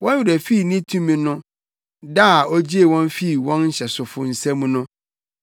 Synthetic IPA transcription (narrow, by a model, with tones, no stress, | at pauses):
wɔ̃˦n˦i˨ɾæ˨fi˦˨nĩ˦tʰũ˦mĩ˨˦nʊ̃˦ | da˦˨ɔ˦d͡ʑi˦e˨wɔ̃˦n˦fi˦˨wɔ̃˦nɲ̩˦ɕɛ˨sʊ˨fʊ˨n̩˨sɛ̃˦mũ˨˦nʊ̃˦